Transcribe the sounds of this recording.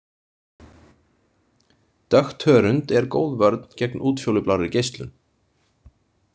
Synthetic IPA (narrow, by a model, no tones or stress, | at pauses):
t̪œxt̪hœːɾʏnt̪ɛɾko̰ːwðvaɾt̪n̥cɛknʔuːt̪fjowlʏplaːɾɪɾcejst̪lʏ̰n